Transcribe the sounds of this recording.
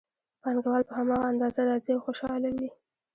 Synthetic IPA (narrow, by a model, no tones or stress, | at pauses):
panɡawɑlpəhamɑɣaːnd̪ɑzaɾɑzewxoʃɑlawi